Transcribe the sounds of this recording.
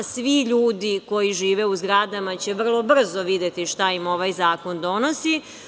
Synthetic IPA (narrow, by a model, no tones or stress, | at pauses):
sʋiʎuːd̪iko̞jiʒiːʋeuzɡɾad̪amat͡ɕe̞ʋr̩lˠo̞br̩zo̞ʋid̪e̞t̪iʃt̪aimo̞ʋajzaːko̞nd̪o̞no̞si